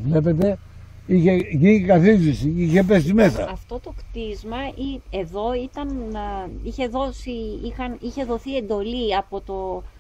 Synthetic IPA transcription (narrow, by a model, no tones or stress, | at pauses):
vle̞pet̪e̞ | içe̞ʝinkɐθizisiiçepe̞sime̞sɐ̰ɐft̪o̞t̪o̞kt̪izmɐieðo̞it̪ɐn | içe̞ðo̞siixɐniçe̞ðo̞θie̞nd̪o̞liɐpo̞t̪o̞